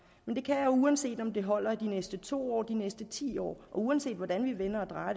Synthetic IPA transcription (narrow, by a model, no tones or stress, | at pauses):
mend̥e̝kʰæjɑjouænse̝̰ːd̥ɒ̽md̥e̝ɦɒ̽l̰ɐd̥inesd̥ət͡sʰo̝̰ːɒ̰ːd̥inesd̥ət͡sʰḭːɒ̰ːʔɒ̽uænse̝̰ːd̥ʋɒd̥ænʋiʋenɐɒ̽d̥ʁɑ̈ː